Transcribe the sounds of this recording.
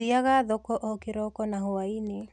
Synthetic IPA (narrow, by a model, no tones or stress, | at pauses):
iaɣaðɔkɔʔɔkeɾɔkɔnaɦoaine